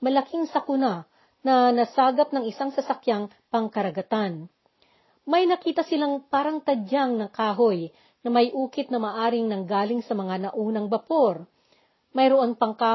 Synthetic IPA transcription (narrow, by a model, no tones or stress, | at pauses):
mɐlɐkʰiŋsɐkʊna | nɐnɐsaːɡɐp̚nɐŋɪsaŋsɐsɐkjaŋ | pɐŋkɐɾɐɡɐt̪an | mɐjnɐkiːt̪ɐsɪlaŋpaːɾɐŋt̪ɐd͡ʒaŋnɐŋkaːɦoj | nɐmɐjʔuːkɪt̪̚nɐmɐaːʔaːɾɪŋnɐŋɡaːlɪŋsɐmɐŋanɐʔuːnɐŋbɐpoɾ | mɐjɾoʔoŋpɐŋka